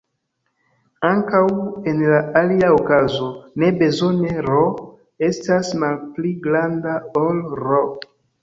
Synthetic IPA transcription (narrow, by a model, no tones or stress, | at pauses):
aŋkawe̞nlaaliaokazo̞ne̞be̞zo̞ne̞ɾo | e̞stasmalpliɡɾandaolɾo